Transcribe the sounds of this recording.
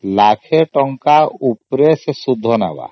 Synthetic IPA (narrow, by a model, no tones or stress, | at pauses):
lakʰeʈɔŋkaupɾesesud̪ʱːɔna̰ba̰